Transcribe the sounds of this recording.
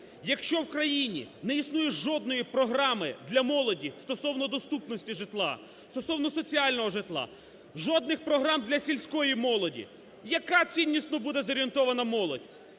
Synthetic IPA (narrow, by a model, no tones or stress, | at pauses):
jɐkʃt͡ʃɔwkɾɐjinʲḭnɛisnujʊʒɔd̪nɔjipɾɔɦɾɑmɪd̪lʲɐmɔlˠɔdʲist̪ɔsɔwnɔd̪ɔst̪upnɔsʲtʲiʒɪt̪lˠɑ̰ | st̪ɔsɔwnɔsɔt͡sʲialʲnɔɦɔʒɪt̪lˠɑ̰ | ʒɔd̪̚nɪxpɾɔɦɾɑmd̪lʲɐsʲilʲsʲkɔjimɔlˠɔdʲḭ | jɐkat͡sʲinʲːisnɔbud̪ɛzɔɾʲient̪ɔʋɐnɐmɔlˠɔdʲ